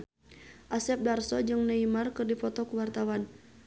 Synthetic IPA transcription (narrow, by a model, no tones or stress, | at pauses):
ʔasɛp̚darsɔd͡ʒɨŋnəimarkɨrdifɔt̪ɔkuwart̪awan